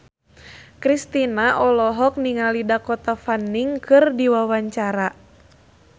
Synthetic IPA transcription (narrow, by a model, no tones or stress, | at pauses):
kɾist̪inaʔɔlɔɦɔk̚niŋalidakɔt̪afanːiŋkɨrdiwawaɲt͡ʃaɾa